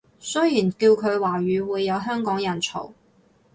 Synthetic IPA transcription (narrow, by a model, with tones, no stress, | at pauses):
sɵ˥jjiː˨˩nkiː˧wkʰɵ˨˧ɥwaː˨˩ɥyː˨˧wuː˨˧jːɐ˨˧wɦœː˥ŋkɔː˨˥ŋjɐ˨˩nt͡sʰo̰˨˩w